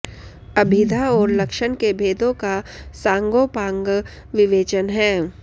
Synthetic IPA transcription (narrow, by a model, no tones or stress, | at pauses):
ɐbʱɪd̪ʱaɔːɾlɐkʃənkebʱeːd̪ʱõkasãːŋɡoːpãːŋɡ | ʋɪʋeːt͡ʃənɦɛː